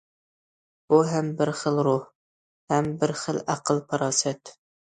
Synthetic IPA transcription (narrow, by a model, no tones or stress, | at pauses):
buɦæmbɪɾχəlɾuh | hæmbɪɾχəlæqʰəlˠpʰɑɾɑːsæt̪